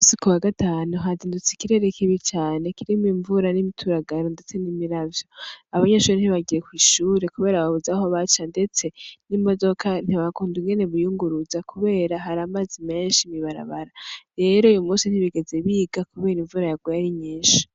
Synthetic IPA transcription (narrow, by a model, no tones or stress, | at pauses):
usikuwaɡataːnuɦaziːndut͡si̥kiɾe̞ːɾekiβit͡ʃaːne̞kiɾimiɱvuɾanimitʰuɾaɡaɾonde̞t͡se̞nimiɾavjo̞aβaɲeʃuːɾen̥hiβaɡiɾekwiːʃuːɾe̞kuβe̞ːɾaβaβuzaɦoβat͡ʃande̞t͡se̞nimo̞do̞kʰan̥iβakuːnduŋɡe̞ne̞βujuːŋɡuɾuzakʰuβe̞ːɾaɦaɾamazime̞ːnʃimiβaɾa̰βaɾaɾe̞ːɾoujumuːsin̥iβiɡe̞ze̞βiːɡakuβeːɾiɱvuɾajaɡwaɾiɲiːʃi̥